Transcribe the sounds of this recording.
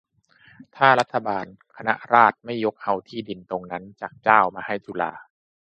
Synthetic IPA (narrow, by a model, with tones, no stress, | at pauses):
t̪ʰaː˥˩la˦˥t̪ʰːa˧baː˧n | kʰa˧na˦˥ʔɾaː˥˩t̪̚ma˥˩jːo˦˥k̚ha˧˩wt̪ʰiː˥˩di˨˧nt̪o˧ŋna˦˥nt͡ɕaː˨˩k̚t͡ɕaː˥˩wmaː˧ha˥˩jt͡ɕu˧˩la̰ː˧